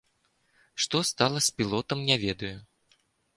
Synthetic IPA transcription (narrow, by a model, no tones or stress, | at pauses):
ʂt̪ɔst̪alˠɐsʲpʲilˠɔt̪ɐmnʲavʲɛd̪ɐju